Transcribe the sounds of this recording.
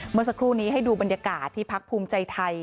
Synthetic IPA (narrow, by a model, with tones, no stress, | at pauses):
mɯ˧˥˨ksa˧kʰɾuː˥˩niː˦˥ɦa˥˩jduː˧ba˧njaː˧kaː˨˩t̪ʰːiː˥˩pʰa˦˥k̚pʰuː˧mt͡ɕa˧jt̪ʰa˧j